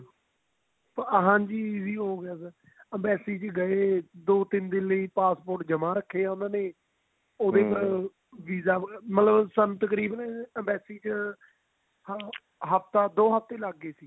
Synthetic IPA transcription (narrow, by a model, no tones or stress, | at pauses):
pɦãːɲd͡ʒiːziːɦoːɡɪjaːsəɾ | əmbɛːsiːd͡ʒɡəeːd̪oːt̪ɪnd̪ɪnləiːpaːspoːɾʈd͡ʒəmãːɾəkʰːeːãːnd̪aːneː | oːd̪eːpəɾ | ʋiːzaːmət̪ləbsənt̪əkɾiːbənəmbɛːsiːt͡ʃ | ɦəpt̪aːd̪oːɦəf̚t̪eːlaɡːeːsiː